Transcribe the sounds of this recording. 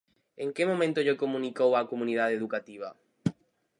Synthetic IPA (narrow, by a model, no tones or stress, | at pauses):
eŋkemõmẽnt̪oʎekomũnikowakomũniðaðeðukat̪iβa̰